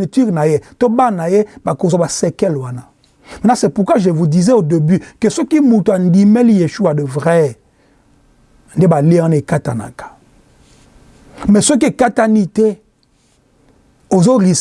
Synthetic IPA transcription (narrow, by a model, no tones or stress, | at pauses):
etiʁnajetobanajebakozobasɛkɛlwana | mɛnasɛpukwaʒevudizɛodebikəsokimutuandimɛlijeʃuadəvʁɛ | n̩debaleãnekata̰na̰kḁ | mɛsok̬iekatanite | ozoʁis